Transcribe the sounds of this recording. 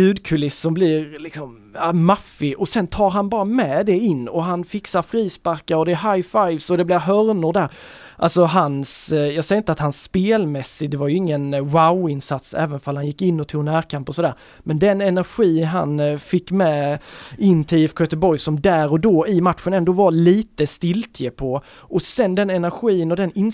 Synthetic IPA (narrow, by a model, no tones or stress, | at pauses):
jʉ̟ːd̪kʰɵlɪsːɔmblɪɾlɪksɔm | mafːɪʔɔsɛnt̪ʰɑːɾɦanbɑːɾamɛd̪ɛɪnːɔɦanfɪksaɾfɾiːspaɾkaɾɔd̪ɛːɦajfajvsɔd̪ɛblɪɾɦœɾnʊɾɖ̪æːɾ | ʔa̰lsɔɦansjɑːsɛjɾɪnt̪əat̪hansːpeːlmɛsːɪd̪ɛvaɾjɵɪŋːənwaʊɪnsat̪sɛ̰ːvənfalhanjɪkːɪnːɔt̪ʰuːnæːɾkʰampɔsɔd̪æːɾ | mɛnd̪ɛnɛnæɾɧiːɦa̰nfɪkːmɛ | ɪnːt̪ʰɪɛfkʰøːt̪əbɔɾjsɔmd̪æːɾɔd̪oːɪmat̪ɧənɛnd̪oːvaliːt̪əst̪ɪlt̪ʰjəpʰɔ | ʔɔsɛnd̪ɛnɛnæɾɧiːənɔd̪ɛnɪn